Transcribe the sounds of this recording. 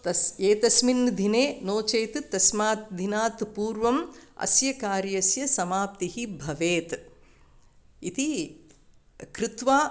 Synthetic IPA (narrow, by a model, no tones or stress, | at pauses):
t̪ɐseːt̪ɐsminːd̪ʱineːnoːt͡ʃeːt̪t̪ɐsmaːt̪̚d̪ʱinaːt̪puːɾʋɐmɐ̰sjɐkaːɾjɐsjɐsɐmaːp̚t̪ihibʱɐʋeːt̪ | it̪i | kɾɪt̪ʋaː